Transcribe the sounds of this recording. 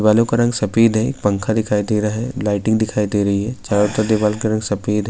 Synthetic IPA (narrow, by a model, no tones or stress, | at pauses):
ʋaːlõkaɾɐ̃ŋɡsɐpiːd̪ɦɛ̰kpɐ̃ŋkʰad̪ɪkʰaːid̪eɾaɦɛlaːɪʈɪ̃ŋɡd̪ɪkʰaːid̪eːɾɐɦiɦɛt͡ʃaːɾot̪ɐɾd̪ɪʋaːlõkeɾɐ̃ŋɡsɐpiːd̪ɦɛ